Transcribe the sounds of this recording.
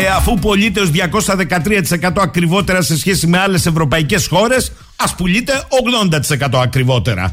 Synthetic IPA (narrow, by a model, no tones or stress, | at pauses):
e̞ɐfupo̞ʎit̪eozðʝɐko̞sɐðe̞kɐt̪ɾiɐt̪i̥se̞kɐt̪oɐkɾivo̞t̪e̞ɾɐse̞sçe̞simeɐle̞se̞vɾo̞pɐice̞sxo̞ɾe̞s | ɐspuʎit̪e̞o̞ɣðo̞nd̪ɐt̪i̥se̞kɐt̪o̞ɐkɾivo̞t̪e̞ɾɐ̰